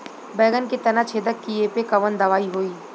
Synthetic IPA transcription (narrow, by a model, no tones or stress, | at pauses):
bɛːɡənkit̪ɐnat͡ʃʰeːd̪əkːiepekɐʋənd̪ɐʋaːiɦoːiː